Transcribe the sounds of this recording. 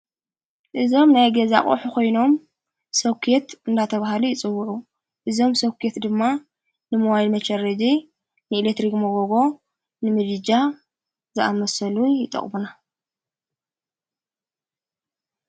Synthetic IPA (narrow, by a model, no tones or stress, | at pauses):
ʔɨzo̞mnajɡɐza̰χʼo̰ħukʰo̞jno̞m | sɐwkʰet̪ɨnd̪at̪ʰɐβahalujɪt͡sʼɨwːuʕu | ʔɨzo̞msɐwkʰjet̪d̪ɨmːa | nɨmɐwajlmɐt͡ʃɐɾɐd͡ʒ̪i | nɨilet̪ɾikmɐɡoɡo̞ | nɨmɨd̪ɨd͡ʒa | zɨʔa̰mɐsɐlujɪt̪ʼɐ̰χʼbuna